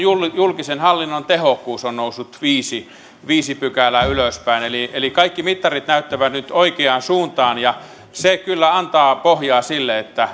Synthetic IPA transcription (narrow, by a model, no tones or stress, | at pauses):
juljulkisenhɑlːinːont̪ehokːˑuːsonnoˑusːut̪ʋiːsi | ʋiːsipykælæyløspæˑinelielikɑikːimit̪ːɑrit̪næyt̪ːæʋæt̪nyt̪oikeɑːnsuːnt̪ɑːnjɑ | sekylːæɑnt̪ɑːpohjɑːsilːeet̪ːæ